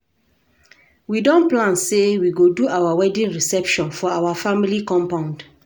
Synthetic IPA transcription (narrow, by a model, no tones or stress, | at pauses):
widɔ̃nplãnsewiɡoduawawɛdĩnɹisɛpʃɔ̃nfɔawafamilikɔ̃mpãʊ̃nd